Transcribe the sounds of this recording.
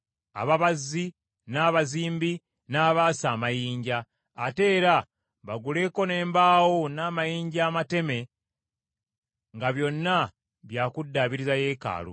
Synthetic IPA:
a̰βaβazːi | naːβaziːmbi | naːβaːsaːmajiːɲɟaː | te̞ːɾa | βaɡule̞ːko̞ne̞ːmbaːwonaːmajiːɲɟaːmate̞me̞ | ŋɡaβjo̞nːa | βjaːkudːaβiɾizaje̞ːka̰ːlo̰

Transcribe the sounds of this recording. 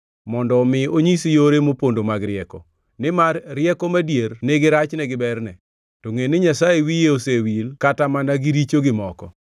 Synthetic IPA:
mɔndɔːmɪoɲisijoɾemopondomaɡɾɪɛkɔ | nɪmarːɪɛkɔmadjernɪɡɪɾat͡ʃnɛɡɪbɛrnɛ | toŋenɪɲasajewijeosewilkatamanaɡiɾit͡ʃoɡɪmɔkɔ̰

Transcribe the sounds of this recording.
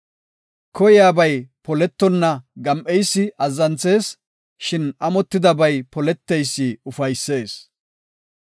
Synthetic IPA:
kʰɔjɪjaːbɐjpɔlɛt̪ːɔnːɐɡɐmʔɛjsːɪʔɐzːɐnt͡se̞ːs | ʃɪnɐmɔt̪ːɪd̪ɐbɐjpɔlɛt̪ːɛjsːɪʊfɐjsːe̞ːs

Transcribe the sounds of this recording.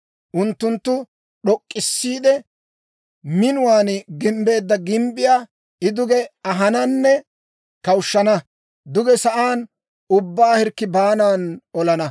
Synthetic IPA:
ʔʊnt̪ːʊnt̪ːʊ | ɗɔkʼːɪsːiːd̪ɛ | mɪnʊwaːnɡɪmbe̞ːd̪ːɐɡɪmbɪjaː | ɪd̪ʊɡɛɐɦɐnɐnːɛ | kɐwʃːɐnɐ | d̪ʊɡɛsɐʔaːn | ʊbːaːhɛɾkːɪbaːnaːnɔlɐnɐ

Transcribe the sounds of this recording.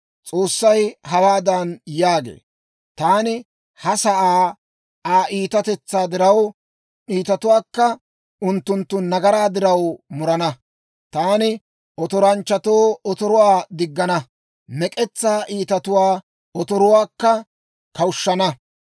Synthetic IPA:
t͡sʼo̞ːsːɐjhɐwaːd̪ɐnjaːɡḛː | t̪aːnɪ | hɐsɐʔaː | aːʔiːt̪ɐt̪ɛt͡sːaːd̪ɪɾɐw | iːt̪ɐt̪ʊwaːkːɐ | ʊnt̪ːʊnt̪ːʊnɐɡɐɾaːd̪ɪɾɐwmʊɾɐnɐ | t̪aːnɪ | ʔɔt̪ɔɾɐnt͡ʃːɐt̪o̞ːɔt̪ɔɾɔwaːd̪ɪɡːɐnɐ | mɛkʼɛt͡sːaːʔiːt̪ɐt̪ʊwaː | ɔt̪ɔɾɔwaːkːɐ | kɐwʃːɐnɐ

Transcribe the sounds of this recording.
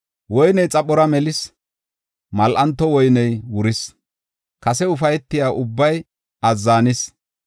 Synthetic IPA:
wɔjnɛjt͡sʼɐpːɔɾɐmɛlɪs | mɐlʔɐnt̪ːɔwɔjnɛjwʊɾɪs | kɐsɛʊfɐjɛt̪ːɪjaːʔʊbːɐj | ɐzːaːnɪs

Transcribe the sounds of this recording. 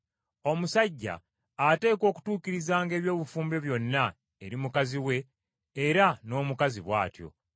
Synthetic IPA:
o̞musaɟːa̰ː | te̞ːko̞ːku̥tuːkiɾizaːŋɡe̞ːβjo̞ːβufuːmbe̞βjo̞nːa | eɾimukaziwe̞ː | ɾano̞ːmukaziβwa̰ːtjo̞̰

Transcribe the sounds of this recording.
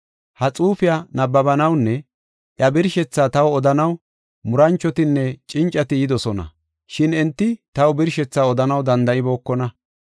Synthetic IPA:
hɐt͡sʼuːfɪjɐnɐbːɐbɐnɐwnːɛ | ʔjɐbɪɾʃɛt͡sːaːt̪ɐwɔd̪ɐnɐw | mʊɾɐnt͡ʃːɔt̪ɪnːɛt͡ʃʼɪnt͡ʃʼːɐt̪ɪjɪd̪ɔsɔnɐ̰ | ʃɪnɛnt̪ːɪt̪ɐwbɪɾʃɛt͡sːaːɔd̪ɐnɐwd̪ɐnd̪ɐʔɪbo̞ːkːɔnɐ

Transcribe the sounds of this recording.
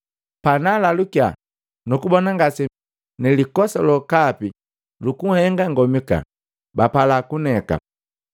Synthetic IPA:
panalalukja | nukubɔnaŋɡasi | nɛlikɔsɔlɔkapi | lukuhɛŋɡaŋɡɔmika̰ | bapalakunɛka̰

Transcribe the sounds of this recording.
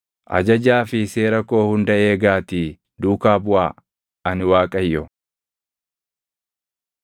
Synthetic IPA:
ʔɐ̰d͡ʒɐd͡ʒaːfɪse̞ːɾɐko̞ːhʊnd̪ɐe̞ːɡaːt̪i | d̪uːkaːbʊaː | ɐnɪwaːkʼɐjːɔ

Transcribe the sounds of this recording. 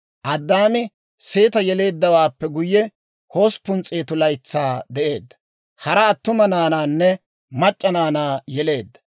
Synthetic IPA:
ʔɐd̪ːaːmɪ | se̞ːt̪ɐjɛle̞ːd̪ːɐwaːpːɛɡʊjːɛ | ho̞ːspʊnt͡sʼeːt̪ʊlɐjt͡sːaːd̪ɛʔe̞ːd̪ːɐ̥ | hɐɾɐːt̪ːʊmɐnaːnaːnːɛ | mɐt͡ʃʼːɐnaːnaːjɛle̞ːd̪ːɐ̥

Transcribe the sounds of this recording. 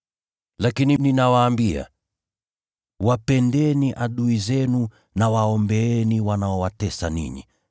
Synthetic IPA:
lakinininawaːmbia̰ | wapɛndɛniʔaɗuizɛnu | nawaɔmbɛɛniwanaɔwatɛsanḭɲḭ

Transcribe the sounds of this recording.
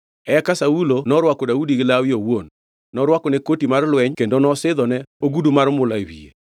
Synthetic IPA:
ɛɛkasaulonɔɾwakɔdaudiɡɪlawɪowon | nɔɾwakɔnekotimarlwɛɲkendonɔsɪd̪ɔnɛoɡudumaɾmʊlawḭḛ

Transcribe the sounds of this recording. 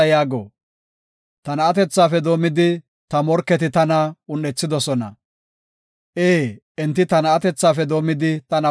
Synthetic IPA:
ɐjaːɡo̰ː | t̪ɐnɐɐt̪ɛt͡sːaːfɛd̪o̞ːmɪd̪ɪ | t̪ɐmɔɾkːɛt̪ɪt̪ɐnɐʊnːɛt͡sːɪd̪ɔsɔnɐ̰ | ʔeː | ɛnt̪ːɪt̪ɐnɐːt̪ɛt͡sːaːfɛd̪o̞ːmɪd̪ɪt̪ɐnɐ

